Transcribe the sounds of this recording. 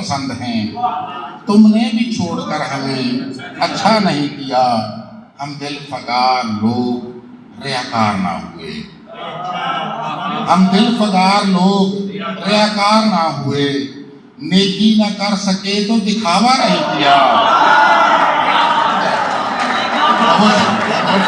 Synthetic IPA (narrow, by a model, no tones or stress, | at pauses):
sənd̪ɦɛ̃ː | t̪ʊmnẽːbʱiːt͡ʃʰoːɽkəɾɦəʋeːətːʃʰaːnəɦĩːkɪjaː | ɦəmd̪ɪlpʰəɡ̪aːɾloːk̚ | ɾɪjaːka̰ːɾna̰ːɦʊḛː | ɦəmd̪ɪlpʰəɡ̪aːɾloːkɾejaːkaːɾnaːɦʊeː | neːkinəkəɾsəket̪oːd̪ɪkʰaːʋanəɦĩkɪjaː | ɦo